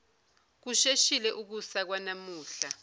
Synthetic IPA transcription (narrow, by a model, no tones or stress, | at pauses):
k̬uʃeʃilɛʔuk̬usak̬wanamuːɬa